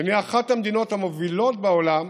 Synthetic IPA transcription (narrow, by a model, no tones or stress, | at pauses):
neaχathamed̪ino̞t̪hamovilo̞t̚beolam